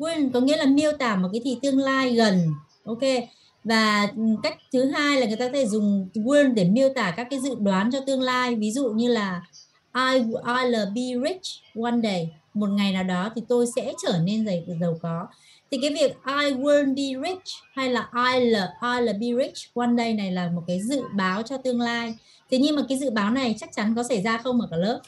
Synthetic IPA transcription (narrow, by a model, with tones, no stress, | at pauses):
ɣwi˧nkɔ˨˦ŋḭ˧˥əlaː˨˩mi˧əwt̪aː˧˩mo˨˩t̚kaː˨˦t̪ʰḭ˧˨t̪ɨ˧əŋlaː˧jɣə˨˩n | ʔo˧wke˧ | vaː˨˩ka˦˥jk̟̚t̪ʰɨ˨˦ɦaː˧jla˨˩ŋɨ˨˩əj̪t̪aː˧e˧˩zʊ˨˩ŋ͡mɣi˧nɗe˧˩mi˧əwt̪aː˧˩kaː˦˥kːaː˨˦jzɨ̰˧˨ɓwaː˨˦nt͡ɕɔ˧t̪ɨ˧əŋlaː˧jvi˨˦zṵ˧˨ɲɨ˧laː˨˩ | ʔaː˧jʔaː˧jləː˨˩ɓi˧ɹi˦˥t͡ʃɣwa˧nɗə˧˩j | mo˨˩t̚ŋa˨˩jnaː˨˩wɗɔ˨˦t̪ʰi˨˩t̪o˧jsɛ̰˧˥t͡ɕəː˧˩ne˧nzə˨˩j̚zə˨˩wkɔ˨˦ | t̪ʰi˨˩kaː˨˦jvi˨˩ək̚ʔaː˧jɣwə˧nɓi˧ɹi˦˥ha˧jlaː˨˩ʔaː˧jləː˨˩ʔaː˧jləː˨˩ɓi˧ɹi˦˥k̚t͡ɕwa˧nɗə˧˩jna˨˩jlaː˨˩mo˨˩t̚kaː˨˦jzɨ̰˧˨ɓaː˨˦wt͡ɕɔ˧t̪ɨ˧əŋlaː˧j | t̪ʰe˨˦ɲɨ˧ŋmaː˨˩kaː˨˦jzɨ̰˧˨ɓaː˨˦wna˨˩jt͡ɕa˦˥k̚t͡ɕa˨˦nkɔ˨˦sa˧˩jzaː˧xə˧wŋ͡mʔəː˨˩kaː˧˩ləː˦˥p̚